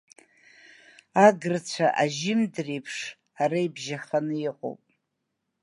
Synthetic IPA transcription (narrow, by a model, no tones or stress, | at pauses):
aɡɨrt͡ɕʷʰaʔaʒɪmdrejpʰʂ | aɾaibʒaχanɨiqʼo̰wpʼ